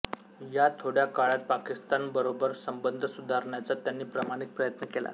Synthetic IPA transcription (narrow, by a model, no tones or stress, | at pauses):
jat̪ʰoɽjakaɭat̪̚pakist̪anbəɾobəɾsəmbənd̪ʱəsud̪ʱaɾɳjat͡sat̪janːiːpɾəmaɽ̃ik̚pɾəjət̪nəkela̰